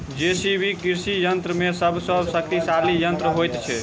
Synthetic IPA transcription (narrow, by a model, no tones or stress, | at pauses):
d͡ʒesibʱikiɾsijənt̪ɾəmesəbʱsəbsək̚t̪isalijənt̪ɾəɦojt̪t͡ʃʰɛ